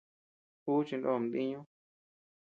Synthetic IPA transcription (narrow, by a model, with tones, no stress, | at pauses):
uː˦t͡ʃi˧ndo˦˨m˨d̪ĩ˦ɲũ˦